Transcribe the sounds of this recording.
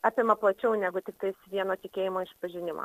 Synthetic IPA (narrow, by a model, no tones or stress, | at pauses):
ɑːpʲɪmɐplˠɐt͡ʃʲɛʊnʲæːɡʊt̪ʲɪk̚t̪ɐɪsʋʲiɛnoːt̪ʲɪkʲeːjɪmoːɪʃpɐʒʲɪnʲɪmɐ̰